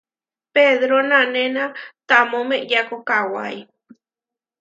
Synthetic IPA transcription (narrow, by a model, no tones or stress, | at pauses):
peðɾonãnenãt̪amõmejakokawa̰j